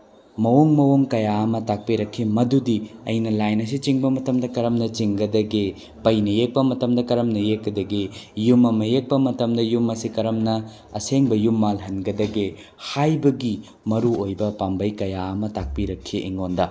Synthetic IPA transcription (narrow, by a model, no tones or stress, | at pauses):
mɐwoŋmɐwoŋkɐjaɐmɐtak̚piɾɐkʰːimɐdudiɐ̰jnɐlajnɐs̬it͡ʃiŋbɐmɐtɐmdɐkɐɾɐmnɐt͡ʃiŋɡɐdɐɡe | pɐjnɐjek̚pɐmɐtɐmdɐkɐɾɐmnɐjekːɐdɐɡejumɐmɐjek̚pɐmɐtɐmdɐjumːɐsikɐɾɐmnɐ | ɐseŋbɐjumːalɦɐnɡɐdɐɡe | hajbɐɡi | mɐɾuojbɐpambɐjkɐjaɐmɐtak̚piɾɐkʰːiʔiŋondɐ